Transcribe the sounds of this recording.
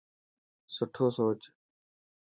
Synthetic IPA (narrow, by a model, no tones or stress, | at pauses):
səʈʰoːsoːt͡ʃ